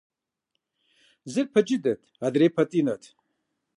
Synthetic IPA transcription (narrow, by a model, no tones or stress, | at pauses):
zɨɾ̚pʰɐd͡ʒid̪ɐt̪ʰad̪ɾeːpʰɐt̪ʼinɐt̪ʰ